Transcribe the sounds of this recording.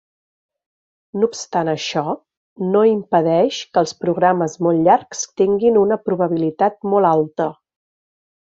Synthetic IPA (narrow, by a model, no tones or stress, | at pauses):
nupst̪anəʃɔ | noimpəðɛʃkəlˠspɾuɣɾaməzmolˠʎaɾkst̪iŋɡinunəpɾuβ̞əβ̞ilit̪at̪̚molˠalˠt̪ə